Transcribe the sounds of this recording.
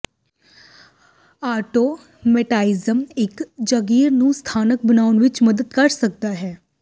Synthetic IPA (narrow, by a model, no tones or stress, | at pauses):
aːʈoː | mɛʈaːɪzəmɪkd͡ʒəɡiːɾnũːst̪ʰaːnək̚bənaːʊnʋɪt͡ʃməd̪əd̪kɐɾsək̚d̪aːɦɛː